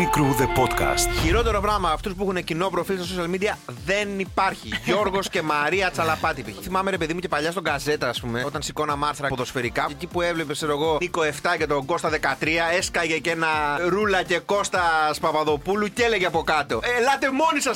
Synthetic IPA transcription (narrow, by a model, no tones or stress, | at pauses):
ikɾuðepot̪kɐ̰st̪çiɾo̞t̪e̞ɾo̞pɾɐɣmɐɐft̪uspuixunecino̞pɾo̞filst̪ososiɐlmid̪iɐðe̞nipɐɾçiʝo̞ɾɣo̞sce̞mɐɾiɐt͡sɐlɐpɐt̪ipḭθimɐme̞ɾepeðimuce̞pɐʎɐst̪o̞ɡɐze̞t̪ɐːspume̞o̞t̪ɐnsiko̞nɐmɐɾθiɾɐpoðo̞sfe̞ɾikɐcipue̞vlepekseɾoeɣo̞iko̞e̞ft̪ɐcet̪o̞ɡo̞st̪ɐðe̞kɐt̪ɾiɐeskɐʝecenɐɾulɐce̞ko̞st̪ɐspɐpɐðo̞puluce̞le̞ʝeɐpo̞kɐt̪o̞elɐt̪e̞mo̞nisɐ